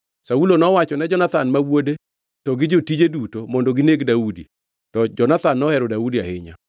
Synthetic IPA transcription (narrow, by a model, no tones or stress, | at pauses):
saulonɔwat͡ʃɔnɛd͡ʒɔnat̪anmawode | tɔɡɪd͡ʒotid͡ʒedutomɔndoɡɪneɡdaudḭ | tɔd͡ʒɔnat̪anːɔhɛɾɔdaudia̰hɪɲa̰